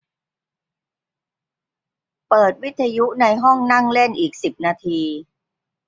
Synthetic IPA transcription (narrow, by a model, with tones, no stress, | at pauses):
pɤː˨˩t̪̚wi˦˥t̪ʰːa˧ju˦˥na˧jɦɔ˥˩ŋna˥˩ŋle˥˩nʔiː˨˩k̚si˨˩p̚naː˧t̪ʰiː˧